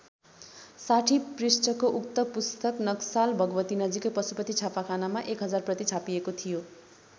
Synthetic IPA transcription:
saʈʰiprisʈʌkoʔukt̪ʌpust̪ʌknʌksalbʱʌɡʌbʌt̪inʌd͡zikopʌsupʌt̪it͡sʰapakʰanamaʔekɦʌd͡zarprʌt̪it͡sʰapijekot̪ʰijo

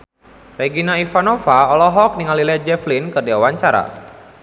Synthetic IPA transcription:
reɡinaifanofaɔlɔɦɔk̚niŋalilɛd͡ʒɛflinkɨrdiawaɲt͡ʃaɾa̰

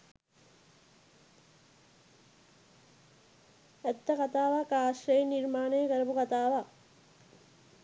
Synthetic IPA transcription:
ɛt̪ːəkat̪aːʋaːkaːʃɾeiniɾmaːnəjəkəɾɐpukat̪aːʋa

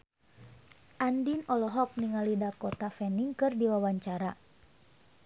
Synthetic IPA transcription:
ʔandinɔlɔɦɔk̚niŋalidakɔt̪afɛniŋkɨrdiwawaɲt͡ʃaɾa

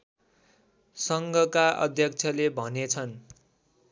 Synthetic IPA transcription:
sʌŋɡʱʌkaʔʌ̰d̪ʱjʌk̚t͡sʰʌlebʱʌnet͡sʰʌn

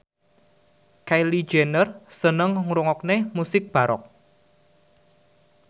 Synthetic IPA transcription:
kajli̥d͡ʒenərsənəŋŋɾuŋɔk̚nemusɪk̚b̥a̤ɾɔ̰k̚

